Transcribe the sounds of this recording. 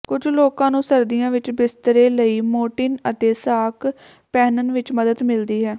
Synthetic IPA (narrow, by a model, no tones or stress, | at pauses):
kʊd͡ʒloːkãːnũːsəɾd̪ijãːʋɪt͡ʃbɪst̪ɾeːləiːmoːʈɪːnət̪eːsaːk | pɛːnənʋɪt͡ʃməd̪əd̪mɪld̪iːɦɛː